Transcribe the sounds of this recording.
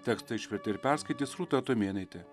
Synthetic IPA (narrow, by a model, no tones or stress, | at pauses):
t̪ʲɛkst̪ɐɪʃʲpʲɛɾʲt̪ʲɪɪɾpʲæɾskɐɪt̪ʲiːsɾuːt̪ɐt̪omʲeːnɐɪt̪ʲɪ